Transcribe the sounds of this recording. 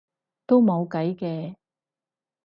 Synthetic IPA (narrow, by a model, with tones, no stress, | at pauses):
t̪o˥wmo˨˧wkɐ˨˥jkɛː˧